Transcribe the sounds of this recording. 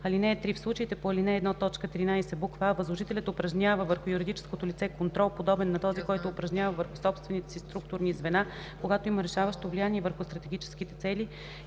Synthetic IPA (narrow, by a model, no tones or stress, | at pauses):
ɐlinɛːt̪ɾifslˠut͡ʃəit̪ɛpoɐlinɛːd̪nat̪ɔt͡ʃkət̪ɾinajsɛbukvavəzlˠoʒit̪ɛlʲɐt̪ʊpɾɐʒnʲavəvəɾxʊjuɾid̪it͡ʃɛ̥skot̪olʲit̪sɛkont̪ɾɔlˠpod̪ɔbɛnːɐt̪ɔzikɔjt̪oːpɾɐʒnʲjavəvəɾxʊsɔpst̪vɛnit̪ɛ̥sist̪ɾuk̚t̪ʊɾnizvɛna | koɡat̪oiməɾɛʃavəʃt̪ovlijaniɛvəɾxʊst̪ɾɐt̪ɛɡʲit͡ʃɛ̥skit̪ɛt̪sɛli